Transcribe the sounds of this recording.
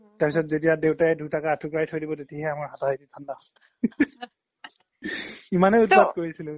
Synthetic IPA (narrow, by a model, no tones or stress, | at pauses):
taɹpisɔtzetijadewtaɛdʱutakaːtʰukajtʰojdibɔtetiaɦɛamaɹɦataɦijtitʰanda | imanɛʊtpadkoɹisilʊ̃